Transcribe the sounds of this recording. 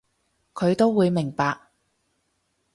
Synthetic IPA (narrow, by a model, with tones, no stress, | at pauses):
kʰɵ˨˧ɥt̪o˥wwuː˨˧jmɪ˨˩ŋpaː˧k̚